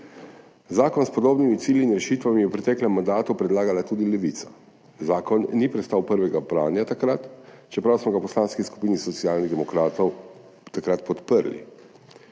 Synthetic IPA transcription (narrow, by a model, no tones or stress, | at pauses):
zaːkɔnspɔd̪oːbnimit̪siːljiːnɾɛʃiːt̪ʋamijɛwpɾɛt̪ɛːklɛmːand̪aːt̪upɾɛd̪laːɡalat̪uːd̪ilɛʋit̪sḁ | zaːkɔnːipɾɛt̪st̪awpəɾʋɛɡapɾaːnjat̪akɾat̪ | t͡ʃɛpɾawsmɔɡapɔslaːnskisku̥piːnisɔt̪siaːlniɣd̪ɛmɔkɾaːt̪ɔw | t̪akɾat̪pɔt̪pəɾlḭ